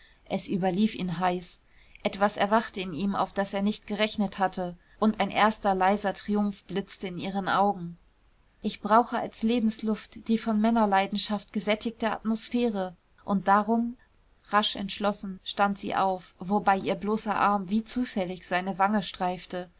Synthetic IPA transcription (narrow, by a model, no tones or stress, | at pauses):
ʔɛsʔyːbɐliːfḭːnɦaɪs | ʔɛtv̥asɛɐvaχtəɪniːma̰ʊfd̥aseːɐnɪçt̚ɡ̥əʁɛçnəthatʰə | ʔʊntaɪnʔeːɐstɐlaɪzɐtʁ̥iʊmfb̥lɪt͡stəɪniːʁənʔa̰ʊɡŋ̩ | ʔɪçb̥ʁaʊxəa̰lsleːbm̩slʊftd̥iːfɔnmɛnɐlaɪdn̩ʃaft̚ɡ̥əzɛtɪk̚təa̰tmosfɛːʁə | ʔʊnt̚d̥aːʁʊm | ʁaʃɛ̰ntʃlɔsn̩ʃtantz̥ḭːʔaʊfvobaɪʔiːɐbloːsɐʔaɐmviːt͡suːfɛlɪçz̥aɪnəvaŋəʃtʁ̥aɪftə